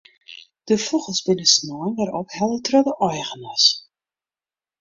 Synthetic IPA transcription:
d̥əfɔχəlˠsbɪnəsnɔənʋaɾɔphɛlˠətrɔdəʔɔjχənas

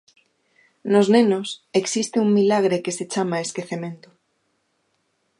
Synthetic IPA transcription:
noznẽnoseksist̪euŋmilaɣ̞ɾekeset͡ʃamaeskeθemẽnt̪o̥

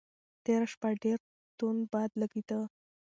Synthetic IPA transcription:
t̪eɾaʃpaɖeɾ | t̪onbɑd̪ləɡid̪ə

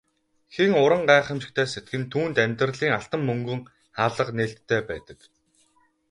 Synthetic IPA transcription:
xiŋʊɾə̆ɴɢæːχĕmʃɪ̆k̚t̪ʰæːset̪̚ɡɘ̆nt̪ʰuːnt̪æmʲt̪rəɮiːŋaɬt̪ə̆mːɵŋɡɵ̆ŋ | χaːɮə̆qneːɬt̪ʰːæːpæ̰ːt̪ə̆k

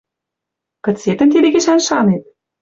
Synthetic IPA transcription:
kɤ̆set̪ə̆nt̪id̪ĕɡeʃænʃɑnet̪̚

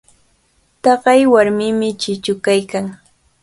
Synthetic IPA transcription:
t̪ɑɢɑjwaɾmɪmɪt͡ʃɪt͡ʃʊkajkaŋ

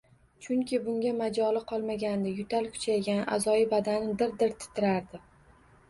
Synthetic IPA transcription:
t͡ʃʰʊŋkʲʰɪbʊŋɡʲamad͡ʒɒlɪqʰɒlˠmaɡʲand̪ɪjʊt̪ʰalkʲʰʊ̥t͡ʃʰajɡʲana̰zɒjɪbad̪anɪd̪ɪɾd̪ɪɾt̪ʰɪ̥t̪ʰɪɾaɾd̪ɪ

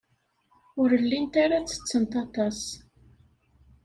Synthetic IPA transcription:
ʊɾəlːint̪aɾat͡sːə̥t͡sːənt̪ɑt̪ɑs

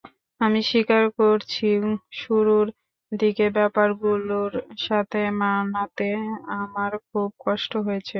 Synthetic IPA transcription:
amiʃikaɾkoɾt͡ɕʰiʃuɾuɾ | d̪ikebɛpaɾɡuloɾʃat̪ʰemanat̪eamaɾkʰub̚kɔʃʈoɦoet͡ɕʰe

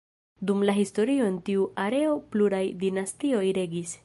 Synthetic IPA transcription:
dumlaɦisto̞ɾio̞entiuaɾe̞o̞pluɾajdinastio̞jɾe̞ɡis

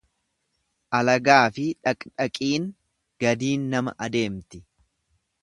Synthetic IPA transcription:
ʔɐlɐɡaːfɪᶑɐkʼᶑɐkʼiːn | ɡ̥ɐd̪iːnːɐmɐ̰ʔɐd̪e̞ːmt̪ɪ

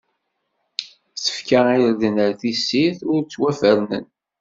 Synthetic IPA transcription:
sə̥fkaiɾðənəɾθisːiθʊɾt͡sːwæfəɾnə̰n

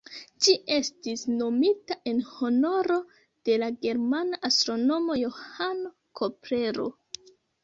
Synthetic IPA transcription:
d͡ʒiʔe̞stisno̞mitaʔe̞nho̞no̞ɾo̞ | d̥e̞laɡe̞ɾmanaʔastɾo̞no̞mo̞jo̞hano | kʰopɾe̞ɾo̰

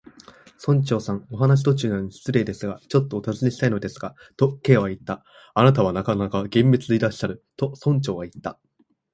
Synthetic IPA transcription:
sõ̞ɲ̟t͡ɕo̞ːsãŋo̞ɦanaɕ̬i̥t̪o̞t͡ɕɨːnaɲisi̥t͡sɨɾe̞ːd̪e̞sɨɡat͡ɕo̞t̪ːo̞ːt̪azɨneɕi̥t̪aino̞d̪e̞sɨ̥ɡ̥a | t̪o̞ke̞ːβait̪ːa | anat̪̬aβanakanakaɡẽ̞mːe̞t͡sɨiɾaɕi̥ɕaɾɯ̟t̪o̞sõ̞ɲ̟t͡ɕo̞ːβait̪ːa

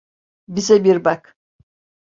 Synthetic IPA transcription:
bizɛbiɾbak

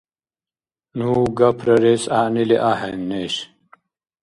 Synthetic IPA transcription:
nuːɡɐpʰɾɐɾesaːniliʔaɦɐnːeɕ

